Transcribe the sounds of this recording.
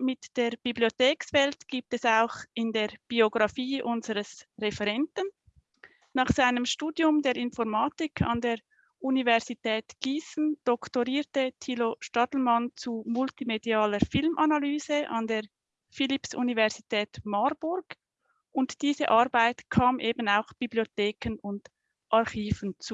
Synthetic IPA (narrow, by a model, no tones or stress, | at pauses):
mɪtd̥eːʁb̥iblioteːksvɛltɡ̥iːp̚tɛsaʊxɪndeːʁb̥ioɡʁɑfiːʔʊnzəɾəsʁefɛʁɛntən | nɑːχsaɪnəmʃtuːdjʊmdeːɾɪnfɔɾmaːtɪkʰɑ̰ndeːʁ | ʔunivɛʁz̥itʰɛːtɡ̥iːsn̩d̥ɔktoʁiːɾtətʰiːloʃtɑtl̩mant͡sumʊltimediaːləɾfɪlmʔanalyːzəʔɑ̰ndeːʁ | fɪlipsʔṵnivɛʁz̥itʰɛːtmaɾb̥ʊɾɡ̥ | ʔʊntd̥iːzəʔaɾbaɪtkʰaːmʔeːbənaʊxb̥iblioteːkənʊnd̥ | ʔaʁχiːvənt͡suː